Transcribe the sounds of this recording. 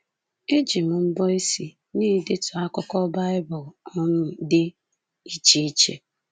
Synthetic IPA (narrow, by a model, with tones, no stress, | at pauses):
e˦d͡ʒi˨m̩˨m̩˦bɔ˦i˦si˨ | niː˦˨dɪ˦tʊ˨a˦kʊ˦kɔ˦ba˦ɪ˦bʊ˨lɔ˦m̩˦dɪ˦ | i˦t͡ʃi˦i˦t͡ʃḛ˦